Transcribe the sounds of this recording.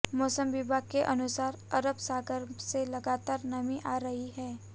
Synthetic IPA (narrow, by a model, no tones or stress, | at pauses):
mɔːsəmʋɪbʱaɡkeʔɐnʊsaːɾ | ɐɾəbsaːɡəɾmselɐɡaːt̪aːɾnɐmĩʔaːɾɐɦiɦɛː